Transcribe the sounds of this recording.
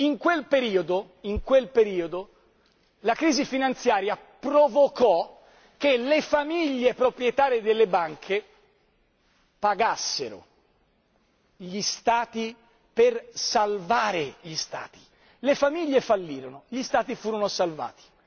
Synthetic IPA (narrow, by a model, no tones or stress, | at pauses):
iŋkwelpeɾiːod̪o | iŋkwelpeɾiːod̪o | lakɾiːzifinant̪sjaːɾjapɾovokɔ | kelefamiʎːepɾopɾjet̪aːɾed̪elːebaŋkʰe | paɡasːḛɾo̰ | ʎist̪aːt̪i | persalvaːɾeʎist̪a̰ːt̪i̥ | lefamiʎːefalːiːɾonoʎist̪aːt̪ifuːɾonosalva̰ːt̪i̥